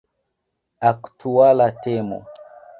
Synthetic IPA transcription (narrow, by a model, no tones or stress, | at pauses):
aktualatɛmo̰